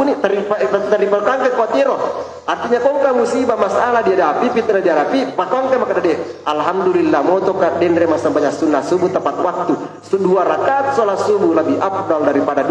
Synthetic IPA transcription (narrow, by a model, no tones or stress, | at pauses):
unit̪aɾipat̪əripakaŋkəkɔt̪iɾɔ | art̪iɲakɔŋkamusibamasalahdiadapipit̪nadiaɾapipakɔŋt̪emakadadɛalɦamdulilːamɔt̪ɔkadɛnɾɛmasambaɲaksunːasubut̪əmpat̪̚wak̚t̪u | suduaɾakat̪̚sɔlahsubulabiap̚daldaɾipadad